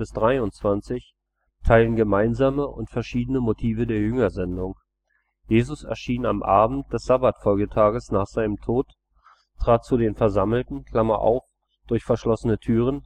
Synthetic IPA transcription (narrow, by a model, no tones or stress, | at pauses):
bɪsd̥ʁaɪʊnt͡sv̥ant͡sɪç | tʰaɪlənɡəmaɪnzaːməʔʊ̰ntfɛɐʃiːdənəmotʰiːvədeːɐjʏŋɐzɛndʊŋ | jeːzʊsɛ̰ɐʃiːna̰mʔaːbm̩t̚d̥ɛsz̥abatfɔlɡətʰaːɡəsnaːχz̥aɪnəmtʰoːt | tʰʁ̥aːt̚t͡sudeːnfɛɐzaml̩tn̩kʰl̥amɐʔa̰ʊf | d̥ʊɐçfɛɐʃlɔsənətʰyːʁ̞ən